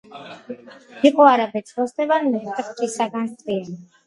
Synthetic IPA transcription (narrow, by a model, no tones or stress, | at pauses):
iqʼɔaɾabɛt̪sʰʼɾɔst̪ʼɛvanmɛt̪ʼχt͡ʃʼisaɡanst̪ʼɾiɛni